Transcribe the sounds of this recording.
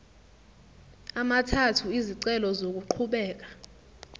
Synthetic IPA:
amatʰatʰuiziǀɛlɔzok̬uǃʰuɓɛːk̬ḁ

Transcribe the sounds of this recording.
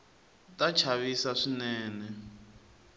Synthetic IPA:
tat͡ʃʰaβisaʂinɛːnɛ

